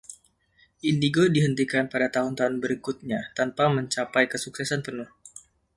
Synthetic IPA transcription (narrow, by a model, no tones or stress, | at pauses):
ʔindiɡodiɦənt̪ikanpadat̪aɦʊnt̪aɦʊnbəɾikʊt̪̚ɲat̪anpaməɲt͡ʃapajkəsuksɛsanpənʊh